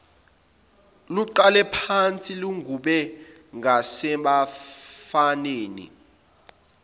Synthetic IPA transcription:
luǃalɛpʰant͡sʼiluŋɡʱuɓɛ | ŋasɛɓafaneːnḭ

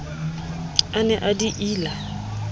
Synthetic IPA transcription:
anɛʔadiʔiːla

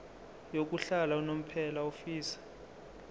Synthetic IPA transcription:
jok̬ʼuɬalaunom̩pʰɛlaufiːsḁ

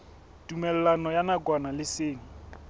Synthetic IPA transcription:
tʼumɛlɛlanɔjanaɡwanalɪseːŋ̩

